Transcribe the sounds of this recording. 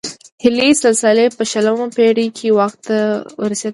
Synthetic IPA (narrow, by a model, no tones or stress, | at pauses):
hɪlisalsalepəʃaləmapeɽikʰewaxt̪ːawəɾased̪